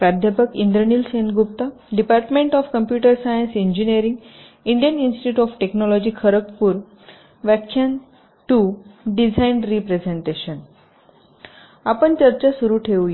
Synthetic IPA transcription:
pad̪ʱjapəkind̪ɾənilsenɡup̚t̪a | ɖipaɾʈmẽɳʈɔfkəmpjuʈəɾsajənsiɲd͡ʑiniəɾĩŋɡ | iɳɖijəninsʈiʈjuːʈɔfʈeknɔlɔd͡ʑiːkʰəɾəkpuɾ | ʋakʰːjan | ʈuɖid͡zajnɖɾipɾed͡zeɳʈeɕən | apəɳt͡ɕəɾt͡ɕasuɾuːʈʰeʋj

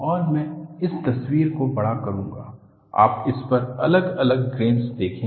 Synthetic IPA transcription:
ɔːɾmɛ̃ːɪst̪ɐswiːɾkobɐɽakɐɾũːŋɡa̰ː | a̰ːp̚ɪspɐɾɐ̰ləɡɐləɡɡɾẽːnsd̪eːkʰẽː

